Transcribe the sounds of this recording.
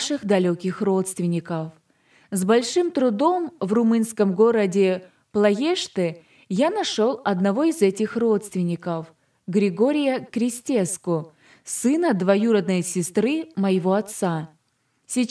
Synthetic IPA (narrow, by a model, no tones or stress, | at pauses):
ʂɨxd̪ɐlʲokʲɪxro̞t̪st̪vʲɪnʲɪkəf | zbɐlʲʂɨmt̪ɾʊd̪o̞mvrʊmɨnskəmɡo̞ɾədʲɪ | plˠɐjeʂt̪ɨ | janɐʂolˠɐd̪nɐvo̞ɪzɛtʲɪxro̞t̪st̪vʲɪnʲɪkəf | ɡɾʲɪɡo̞ɾʲɪjəkɾʲɪsʲtʲeskʊ | sɨnəd̪vɐjuɾəd̪nəjsʲɪst̪ɾɨməjɪvo̞ɐt̪sa | sʲɪ